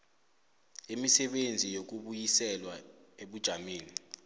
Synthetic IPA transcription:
imisɛɓend͡zʱijok̬uɓujisɛlwaeɓud̥ʒ̥ʱameːni

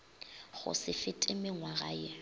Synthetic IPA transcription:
ɣʊ̰sɪfɪtʼɪmɪŋwaɣaːjɪ

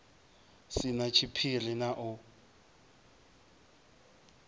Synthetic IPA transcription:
sɪnat͡ʃʰipʰilɪnaʔʊ

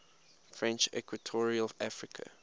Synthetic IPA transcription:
fɹɛ̃nt͡ʃɛ̰kʰwətʰɔɹiəlvafɹikʰə̰

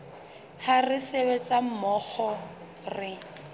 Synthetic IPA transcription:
harɪseβet͡sʼam̩mɔk͡xɔ | rɪ

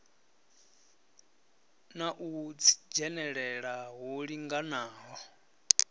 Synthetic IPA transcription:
naʔut͡sʰi̥d͡ʒɛnɛɺɛɺaɦuɺiŋɡanaːɦɔ

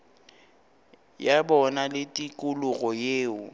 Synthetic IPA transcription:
jabɔnalɪtʼikʼʊlʊɣɔjeːʊ

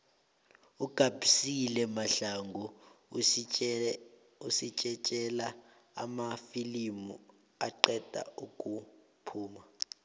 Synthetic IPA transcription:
uɡ̥ʱab̥ʱisilɛmaɬaŋɡʱu | usit͡ʃʼɛt͡ʃʼɛla | a̰mafilimu | aǃɛd̥ʱa̰ukʼu | pʰuːma

